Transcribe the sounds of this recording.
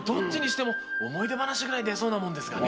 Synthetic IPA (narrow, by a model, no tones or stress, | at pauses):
d̪õ̞ɲd͡ʑiɲ̟iɕi̥t̪e̞mo̞omo̞id̪e̞banaɕiɡɯ̟ɾaid̪e̞so̞ːnamond̪e̞sɨ̥ɡa